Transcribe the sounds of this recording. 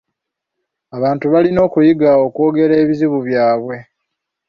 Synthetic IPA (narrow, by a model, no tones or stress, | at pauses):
aβaːntuβalino̞ːkujiɡao̞kwo̞ːɡe̞ɾe̞ːβiziβuβjaːβwe̞